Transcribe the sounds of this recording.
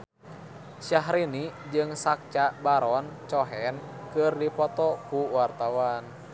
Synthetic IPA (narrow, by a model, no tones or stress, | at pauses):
ʃaɦɾinid͡ʒɨŋsak̚t͡ʃabaɾɔnt͡ʃɔɦɛnkɨrdipɔt̪ɔkuwart̪awan